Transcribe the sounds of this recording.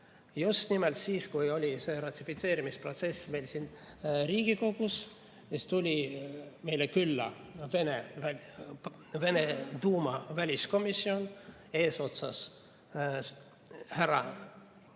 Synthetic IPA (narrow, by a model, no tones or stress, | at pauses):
just̪nimeɛlt̪siːskujo̞lʲise̞ːɾɑt̪ʲːifit̪se̞ːɾimispro̞t̪se̞sme̞jlsinriːɡ̥iko̞ɡ̥us | est̪ulʲime̞jlekylːɑ̰venevæ | ve̞net̪uːmɑvælʲisko̞misːio̞n | e̞ːso̞t̪sɑs | heɾɑ̰